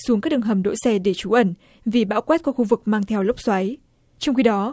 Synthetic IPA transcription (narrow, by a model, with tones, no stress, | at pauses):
su˨˦ŋkaː˦˥k̚ɗɨ˨˩ɦə˨˩mɗo̰˧˥jsɛ˧ɗe˧˩t͡ɕu˨˦ʔə˧˩n | vi˨˩ɓa̰ː˧˥wkwɛ˦˥t̚kɔ˦˥kxu˧vɨ˨˩k̚maː˧ŋt̪ʰɛ˧wlə˦˥wk͡p̚swa˨˦j | t͡ɕɔ˧wŋ͡mxi˧ɗɔ˨˦